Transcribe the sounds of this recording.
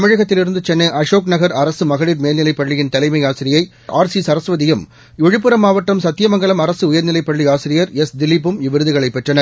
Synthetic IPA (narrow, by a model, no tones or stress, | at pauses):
t̪ɐmɪɻɐɣɐt̪ːɪlɪɾɯnd̪ɯt͡ʃɛnːɐʔɐʂoːknɐɣɐɾɐɾɐsɯmɐɣɐɭiɾmeːlnɪlɐɪpːɐɭːɪjɪnt̪ɐlɐɪmɐɪjaːsɪɾɪjɐɪ | ʔa̰ːɾsisɐɾɐsʋɐðɪjɯm | ɛɻɯp̬ːɯɾɐmaːʋɐʈːɐmsɐt̪ːɪjɐmɐŋɡɐɭɐmɐɾɐsɯʊjɐɾnɪlɐɪpːɐɭːiaːsɪɾɪjɐɾɛsd̪ɪlːɪp̬ːɯmɪʋɪɾɯðɯɣɐɭɐɪpːɛʈrɐnɐɾ